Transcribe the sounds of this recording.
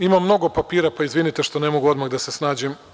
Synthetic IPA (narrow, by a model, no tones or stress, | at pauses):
imamːno̞ɡo̞papiːɾapaizʋinit̪eʃt̪o̞ne̞mo̞ɡuo̞d̪maɣd̪ase̞snaːd͡ʑim